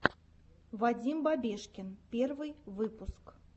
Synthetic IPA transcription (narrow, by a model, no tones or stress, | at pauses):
vad͡zʲimbabʲɛʂkʲɪnpʲɛrvɨjvɨpusk